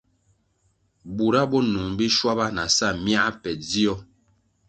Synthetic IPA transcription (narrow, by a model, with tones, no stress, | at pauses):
bu˨ɾa˦bɔ˦nu˨ŋbi˦ʃwa˦ba˦na˨sa˦˨mja˦ʔa˦pɛ˨d͡zi˦ɔ˦